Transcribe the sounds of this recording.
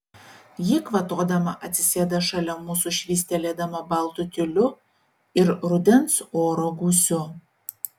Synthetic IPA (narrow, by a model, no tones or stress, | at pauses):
jɪkʋɐt̪oːd̪ɐmɐʔɐt̪ʲsʲɪsʲeːd̪ɐʃɐlʲɛmuːsuʃʲʋʲiːsʲt̪ʲɛlʲeːd̪ɐmɐbɐlˠt̪ʊt̪ʲɪlʲʊ | ɪɾɾʊd̪ʲɛnsoːɾoɡuːsʲʊ